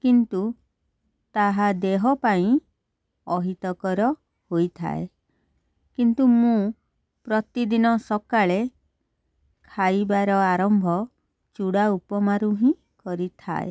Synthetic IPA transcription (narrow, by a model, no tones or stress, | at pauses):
kint̪u | t̪aɦad̪eɦɔpaĩ | ɔɦit̪ɔkɔɾɔ | hojt̪ʰa̰e | kint̪umũ | pɾɔt̪id̪inɔsɔkaɭe | kʰajbaɾɔaɾɔmbʱɔ | t͡ʃuɽaupɔmaɾuɦĩ | kɔɾit̪ʰa̰ḛ